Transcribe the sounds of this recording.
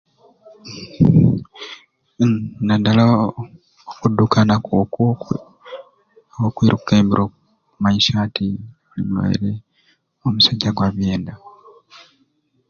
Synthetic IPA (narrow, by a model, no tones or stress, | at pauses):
nadala | okudːukanak | wokwiːɾukkeːmbiɾʔo | kumaiʃaːtʰi | ulḭmulo̰jḛɾe | omusaɟːaɡwaβje̞ːnda